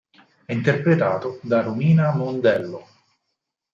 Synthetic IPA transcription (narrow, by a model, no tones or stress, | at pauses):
ɛint̪erpɾet̪aːt̪od̪aɾumiːnamond̪ɛlːo